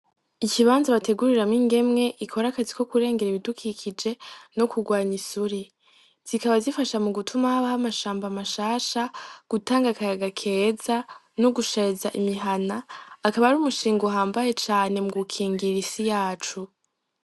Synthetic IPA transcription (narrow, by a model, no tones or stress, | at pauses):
iciβaːnzaβatʰe̞ɡuɾiɾamŋiːŋɡe̞mŋe̞ʔikʰo̞ɾakaziko̞kuɾe̞ːŋɡeɾiβidukʰikʰid͡ʒe̞no̞kuɡwaːɲisuɾi | z̥ikaβazifaʃamuɡutʰumahaβahamaʃaːmbamaʃaːʃaɡ̥utaːŋɡakaɾaɡakʰeza | noɡuʃezaʔimiɦanaːkaβaɾuːmuʃiːŋɡuɦaːmbaje̞t͡ʃaːne̞muɡukʰiːŋɡiɾisijaːt͡ʃu